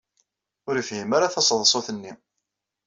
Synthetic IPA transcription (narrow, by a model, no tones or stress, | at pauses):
ʊɾifhimaɾaθɑsˤðˤsˤoθənːi